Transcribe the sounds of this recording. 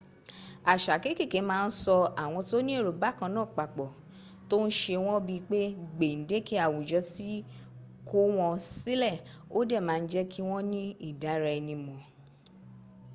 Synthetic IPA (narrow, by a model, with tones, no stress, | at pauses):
a˨ʃa˨ke˨˦ki˦˨ke˨˦mãː˦˧n̩˦sɔ˧a˨w̃ɔ̃˧to˦nĩ˦e˦˨ɾo˨ba˨˦kã˧nãː˦˨k͡pa˨k͡pɔ˨ | to˦n̩˦ʃe˧w̃ɔ̃˦bi˧k͡pe˦ɡ͡be˨n̩˨˦de˦ki˦a˦˨wu˨d͡ʒɔ˨˦ti˦ | ko˦w̃ɔ̃˧si˦lɛ˦˨ | o˦dɛ˦˨mãː˨˦˧n̩˦d͡ʒɛ˦kʰi˦w̃ɔ̃˦nĩ˦i˦˨da˨˦ɾɛ˧ɛ˧nĩ˧mɔ̃˨